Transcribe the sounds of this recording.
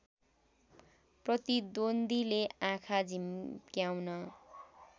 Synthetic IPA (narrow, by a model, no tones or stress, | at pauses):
prʌt̪id̪ond̪ʱileãkʰad͡zʱimkjawnʌ